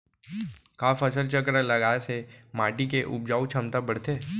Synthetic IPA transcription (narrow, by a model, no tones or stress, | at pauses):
kaːfʰəsəlt͡ʃəkɾalɐɡaːesemaːʈikeʔʊ̰b̚d͡ʒaːut͡ʃʰɐmt̪abəɽ̤t̪eː